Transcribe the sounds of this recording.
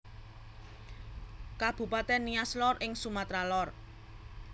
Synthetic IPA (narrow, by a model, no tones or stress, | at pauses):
kab̥ṳpat̪ɛnːiaslɔrʔɪŋsumat̪ɾalɔr